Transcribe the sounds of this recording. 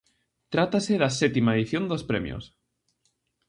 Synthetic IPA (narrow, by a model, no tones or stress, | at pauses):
t̪ɾat̪aseðasɛt̪imaeðiθjond̪ospɾemjo̰s